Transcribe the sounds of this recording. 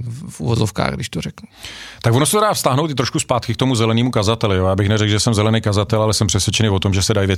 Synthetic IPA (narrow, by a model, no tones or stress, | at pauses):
fʔṵvozofka̰ːɣɡdɪʃt̪orɛknut̪aɡvo̞nosɛt̪odaːfst̪aɦnowt̪ɪt̪ɾoʃkuspaːt̪kɪkt̪omuzɛlɛniːmukazat̪ɛlɪjojaːbɪxnɛrɛkɡʒɛsɛmzɛlɛnejkazat̪ɛlalɛsɛmpr̥ɛsvjɛt͡ʃɛnɪvo̞t̪o̞mʒɛsɛdajvjɛ